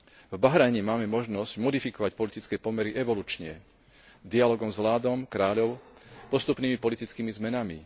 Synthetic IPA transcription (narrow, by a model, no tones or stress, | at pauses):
vbaɦɾaːɲɛmaːmɛmɔʒnɔzɟmɔd̪ifikɔʋac̚pɔlit̪it͡skɛːpɔmɛɾiʔɛʋɔluːt͡ʃɲɛ̰ | d̪ialɔːɡɔmzʋlaːd̪ɔmkɾaːʎɔʊpɔst̪upniːmipɔlit̪it͡skiːmizmɛnamḭ